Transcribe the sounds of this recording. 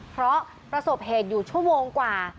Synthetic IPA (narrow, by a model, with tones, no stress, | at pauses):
pʰɾɔ˦˥ | pɾa˧so˨˩p̚ɦeː˨˩t̪̚juː˨˩t͡ɕʰu˥˩ɐmoː˧ŋkwaː˨˩